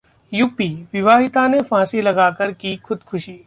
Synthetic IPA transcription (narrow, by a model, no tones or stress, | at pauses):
juːpiːʋɪʋaːɦɪt̪anefãːsilɐɡaːkəɾkixʰʊd̪kʰʊʃiː